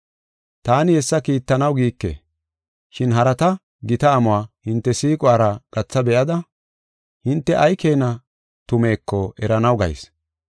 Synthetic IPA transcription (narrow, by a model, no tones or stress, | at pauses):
t̪aːnɪhɛsːɐkiːt̪ːɐnɐwɡiːkːḛ | ʃɪnɦɐɾɐt̪ɐ | ɡɪt̪ɐːmʊwaːhɪnt̪ːɛsiːkʼwaːɾɐɡ̥ɐt͡sːɐbɛʔɐd̪ɐ | hɪnt̪ːɛʔɐjkʰe̞ːnɐ | t̪ʊme̞ːkːɔɛɾɐnɐwɡɐ̰js